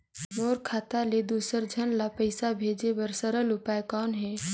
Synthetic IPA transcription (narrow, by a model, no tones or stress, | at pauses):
moːɾkʰaːt̪aled̪uːsəɾd͡ʒʱənlapəɪsabʱeːd͡ʒebəɾsəɾəlʊpaːekɔːnɦɛː